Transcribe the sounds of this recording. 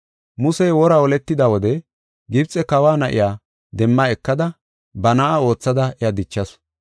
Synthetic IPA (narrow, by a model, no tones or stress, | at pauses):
mʊsɛjwɔɾɐɔlɛt̪ːɪd̪ɐwɔd̪ɛ | ɡɪbt͡sʼɛkɐwaːnɐʔɪ̰jaː | d̪ɛmːaɛkːɐd̪ɐ | bɐnɐʔao̞ːt͡sːɐd̪ɐɛjad̪ɪt͡ʃːɐs